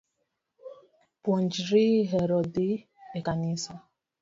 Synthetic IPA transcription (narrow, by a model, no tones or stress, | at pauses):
pɔnd͡ʒɾiɦeɾɔdɪ | ekanisɔ